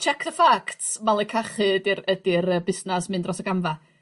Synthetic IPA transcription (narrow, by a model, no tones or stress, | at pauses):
t͡ʃʰɛkʰðəfaktsmalˠikʰaχɨdɪɾədɪɾəbɪsnasmɨndrɔsəɡamva